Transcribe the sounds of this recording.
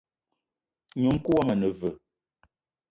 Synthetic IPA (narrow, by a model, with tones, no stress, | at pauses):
ɲu˨m˦ku˦wa˦mə˨nə˨və˨